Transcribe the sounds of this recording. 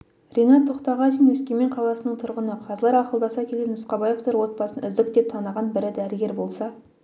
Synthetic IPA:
rʲejnɑt̪ʰːoqt̪ɑʁɑsənwɵskʲeme̞ɴqʰɑlˠɑsənəɴt̪ʰʊɾʁənəqʰɑzlˠɑɾɑqəlˠd̪ɑsɑkʲʰe̞lɡʲenʊsqɑbɑje̞vt̪oɾwo̞t̪̚bɑsənʏzd̪ɪk̚t̪e̞p̚t̪ʰɑnəʁɑnbɪɾɪd̪æɾɪɡʲe̞ɾbo̞lˠsɑ

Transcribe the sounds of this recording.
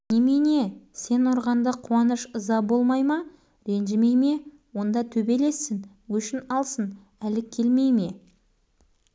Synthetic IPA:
nʲemene̞se̞nʊɾʁɑnd̪əqʰuɑnəʃəzɑbo̞lˠmɑjmɑ | ɾe̞nʒɪme̞jme̞ | wo̞nd̪ɑt̪ʰɵbe̞lesːɪn | wɵʃɪnɑlˠsən | ælɪkʲʰːe̞lme̞jme̞

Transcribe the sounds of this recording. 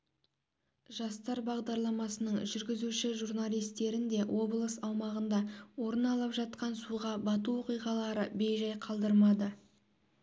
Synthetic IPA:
ʒɑst̪ɑɾbɑʁd̪ɑɾlˠɑmɑsənəɴʒʏɾɡʲɪzuʃɪʒurnalʲˠijst̪e̞ɾɪnd̪e̞wʔo̞blˠəsɑwmɑʁənd̪ɑwo̞ɾənɑlˠɑpʒɑt̪̚qɑnsuʁɑbɑt̪̬uo̞qijʁɑlˠɑɾəbe̞jʒɑjqʰɑlˠd̪əɾmɑd̪ə

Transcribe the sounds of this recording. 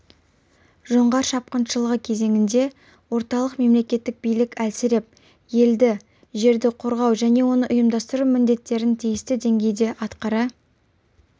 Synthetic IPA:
ʒo̞ɴʁɑɾʃɑp̚qənʃəlˠəʁəkʲʰe̞ze̞ŋʲɪnd̪e̞ | wo̞ɾt̪ɑlˠəqme̞mle̞kʲe̞t̪ːɪk̚bijlɪkʲælsɪɾɪp̚ | je̞ld̪ɪ | ʒe̞ɾd̪ɪqʰo̞ɾʁɑwʒæne̞wo̞nəʔʊjəmd̪ɑst̪əɾumɪnd̪e̞t̪ːe̞ɾɪnt̪ʰijɪst̪ɪd̪e̞ŋɡʲe̞jd̪e̞ʔɑt̪qɑɾɑ

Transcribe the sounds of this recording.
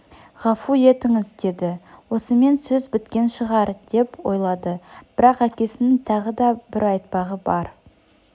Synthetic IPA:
ʁɑfuje̞t̪ɪŋɪzd̪e̞d̪ɪwo̞səme̞nsɵzbɪt̪kʲe̞nʃəʁɑɾd̪̥e̞pwo̞jlˠɑd̪əb̥ɪɾɑqækʲe̞sɪnɪt̪ʰɑʁəd̪ɑbɪɾɑjt̪̚pɑʁəbɑɾ

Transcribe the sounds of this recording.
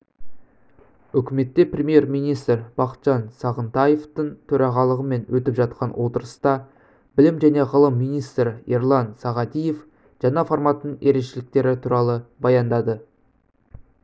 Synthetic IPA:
ʏkʲɪme̞t̪ːe̞prʲemʲje̞ɾmijnijst̪rb̥ɑqə̥t̪ʒ̥ɑnsɑʁənt̪ɑjeft̪əɴt̪ʰɵɾɑʁɑlˠəʁəme̞nwɵt̪ɪpʒɑt̪̚qɑnwʔo̞t̪əɾəst̪ɑ | bɪlɪmʒæne̞ʁəlˠəmːijnijst̪ɾəeɾlˠɑnsɑʁɑd̪ije̞f | ʒ̥ɑnɑfoɾmɑt̪ənəɴe̞ɾe̞ʃɪlɪk̚t̪e̞ɾɪt̪ʰuɾɑlˠəbɑjɑnd̪ɑd̪ə

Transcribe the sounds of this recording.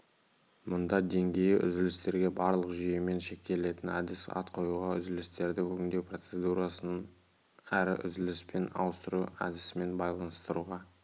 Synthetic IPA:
mʊnd̪ɑd̪e̞ŋɡʲe̞jɪʔʏ̰zɪlɪst̪e̞ɾɡʲe̞bɑɾlˠəqʒʏje̞me̞nʃe̞k̚t̪e̞le̞t̪ɪnæ̰d̪ɪsɑ̰t̪qʰo̞juʁɑʏzɪlɪst̪e̞ɾd̪ɪkʰɵɡʲɪnd̪e̞wpro̞t̪se̞d̪uɾɑsənn | æɾɪ̰ʔʏ̰zɪlɪspe̞nɑ̰wəst̪əɾuæ̰d̪ɪsɪme̞nbɑjlˠɑnəst̪əɾuʁɑ

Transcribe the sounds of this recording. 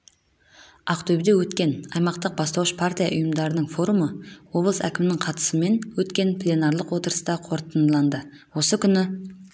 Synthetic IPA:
ɑqt̪ʰɵbɪd̪ewɵt̪kʲe̞nɑjmɑqt̪əq̚bɑst̪ɑwəʃpʰart̪ʲijɑ̰ʔʊjəmd̪ɑɾənəɴfo̞ɾuməwo̞blˠəsæ̰kʲɪmɪnɪŋqʰɑt̪ə̥səme̞nwɵt̪kʲe̞npʰlʲenɑrlˠəqwo̞t̪əɾəst̪ɑqʰo̞ɾt̪ənlˠɑnd̪ə | wo̞səkʲʰʏnɪ

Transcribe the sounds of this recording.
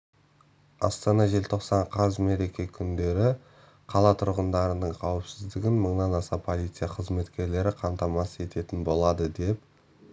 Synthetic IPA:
ɑ̰st̪ɑnɑʒe̞lt̪ʰo̞qsɑɴqʰɑzme̞ɾe̞kʲe̞kʲʰʏnd̪e̞ɾɪ | qʰɑlˠɑt̪ʰʊɾʁənd̪ɑɾənəɴqʰɑwɪpsɪzd̪ɪɡʲɪnməɴnɑnɑsɑpʰo̞lʲˠijt̪sɨjaqʰəzme̞t̪kʲe̞ɾle̞ɾɪqʰɑmt̪ɑmɑsəe̞t̪e̞t̪ɪnbo̞lˠɑd̪əd̪e̞p

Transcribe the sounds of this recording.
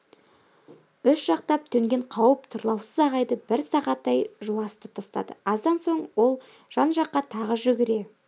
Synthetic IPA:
ʏsʒ̥ɑq̚t̪ɑp̚t̪ʰɵŋɡʲe̞ɴqʰɑwəp̚t̪ʰʊɾlˠɑwsəzɑʁɑjd̪əbɪɾsɑʁɑt̪ːɑjʒuwɑst̪ɪp̚t̪ʰɑst̪ɑ̰d̪ə̰ɑzd̪ɑnso̞ɴwo̞lˠ | ʒ̥ɑnʒɑqːɑt̪ʰɑʁəʒʏɡʲɪɾe̞

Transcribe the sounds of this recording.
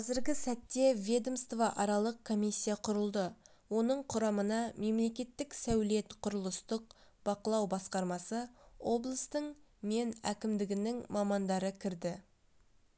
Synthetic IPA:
qʰɑzɪɾɡʲɪsæt̪ːe̞vʲed̪omst̪vɑʔɑɾɑlˠəq̚kʰːo̞misʲːijaqʰʊɾəlˠd̪ə | wo̞nəɴqʰʊɾɑmənɑme̞mle̞kʲe̞t̪ːɪksæwle̞t̪qʰʊɾəlˠəst̪əq̚b̥ɑqəlˠɑwbɑsqɑɾmɑsəo̞blˠəst̪əɴ | me̞næ̰kʲɪmd̪ɪɡʲɪnɪŋmɑmɑnd̪ɑɾəkʲʰɪɾd̪ɪ

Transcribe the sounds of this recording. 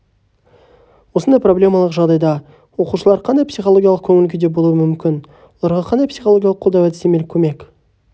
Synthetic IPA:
wo̞sənd̪ɑjpro̞blʲemɑlˠəqʒɑʁd̪ɑjd̪ɑ | wo̞quʃəlˠɑɾqʰɑnd̪ɑjpsijχolˠo̞ɡʲijalˠəqkʲʰɵŋɪlɪɡʲed̪e̞bo̞lˠuwəmʏmkʲɪn | wwolˠɑɾʁɑqʰɑnd̪ɑjpsijχolˠoɡʲjalˠəqʰːolˠd̪ɑwæt̪ɪ̥st̪emelkʲʰɵme̞k

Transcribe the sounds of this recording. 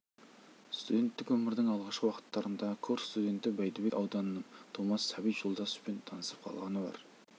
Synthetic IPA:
st̪ud̪ʲe̞nt̪ːɪkwɵmɪɾd̪ɪŋɑlˠʁɑʃqəwɑqə̥t̪ːɑɾənd̪ɑkʰoɾst̪ud̪e̞nt̪ɪbæjd̪ɪbekʲɑwd̪ɑnənəɴt̪ʰomɑsːɑbijʒolˠd̪ɑsə̥pent̪ʰɑnəsə̥p̚qʰɑ̰lˠʁɑnəbɑ̰ɾ

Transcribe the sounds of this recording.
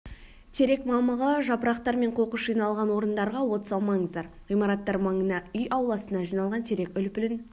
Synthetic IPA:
t̪ʰe̞ɾe̞kmɑməʁəʒɑpəɾɑqt̪ɑɾme̞ɴqʰo̞qəʃʒijnɑlˠʁɑnwo̞ɾənd̪ɑɾʁɑwo̞t̪sɑlˠmɑɴəzd̪ɑɾʁijmɑɾɑt̪ːɑɾmɑɴənɑʏjɑwlˠɑsənɑʒijnɑlˠʁɑnt̪ʰe̞ɾe̞kʲʏlpɪlɪn

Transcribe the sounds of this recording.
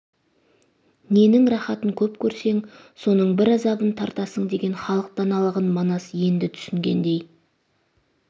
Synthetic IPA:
ne̞nɪŋɾɑχɑt̪əŋkʲʰɵpkʲʰɵɾse̞ŋ | so̞nəɴbɪɾɑzɑbənt̪ʰɑɾt̪ɑsəɴd̪e̞ɡʲe̞nχɑlˠəq̚d̪ɑnɑlˠəʁənmɑnɑsje̞nd̪ɪt̪ʰʏ̥sɪŋɡʲe̞nd̪e̞j

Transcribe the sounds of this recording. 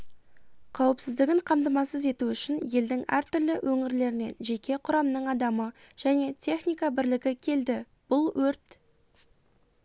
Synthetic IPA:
qʰɑwəpsɪzd̪ɪɡʲɪɴqʰɑmd̪əmɑsəze̞t̪uʏʃɪnje̞ld̪ɪŋæ̰ɾt̪ʏɾlɪwʔɵŋɪɾle̞ɾɪne̞̰nʒe̞kʲe̞qʰʊɾɑmnəɴɑd̪ɑmə | ʒ̥æne̞t̪ʲʰe̞χnijkɑbɪɾlɪɡʲɪkʲʰe̞ld̪ɪ | b̥ʊlˠwɵɾt̪

